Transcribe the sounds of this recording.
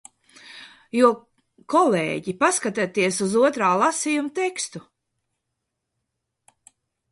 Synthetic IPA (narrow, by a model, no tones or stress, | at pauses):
juɔ | kɔlḛːɟipaskat̪at̪iɛsuzuɔt̪ɾaːlˠasijumut̪ɛkst̪u